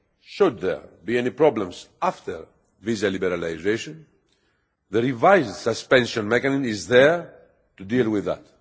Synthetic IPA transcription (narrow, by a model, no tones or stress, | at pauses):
ʃud̪ðɛ̰ɹbienipɾɔblɛ̃msaft̪əɹ | vizalibeɾalajzejʃõn | ðəɾivajzdsaspɛ̃nʃõnmɛkanimizðɛɹ | t̪udilˠwiðæ̰t